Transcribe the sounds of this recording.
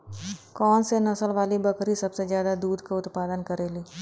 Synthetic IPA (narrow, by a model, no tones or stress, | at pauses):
kɔːnsenɐsəlʋaːlibɐkɾisɐbsezjaːd̪ad̪uːd̪ʱkaʊt̪paːd̪ənkəɾeːliː